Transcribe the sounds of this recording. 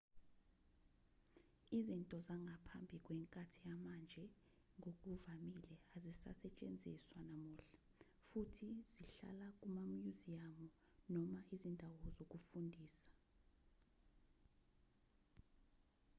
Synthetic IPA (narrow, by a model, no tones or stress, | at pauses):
izintʼɔzaŋɡʱapʰa̰mbʱik̬ʼwɛŋkʼatʰijamand͡ʒʱɛ | ŋʱok̬ʼuvamilɛazisa̰sɛt͡ʃʼḛnd͡zʱiswanamuːɬḁ | futʰiz̥iɬa̰lak̬ʼumamjuziamɔ | nɔmaʔizindʱawɔzok̬ʼufundʱiːsḁ